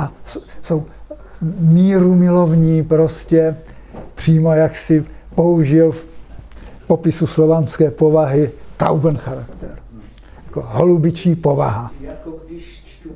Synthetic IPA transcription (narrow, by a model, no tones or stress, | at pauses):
ʔasoso̞w | miːɾumɪlo̞vɲiːpɾo̞scɛpr̝̥iːmo̞jaksɪpo̞uʒɪlf | po̞pɪsuslo̞vanskɛːpovaɦɪt̪a̰wɡnxaɾakt̪ɛɾ | jakoɦolubɪt͡ʃiːpo̞va̰ɦa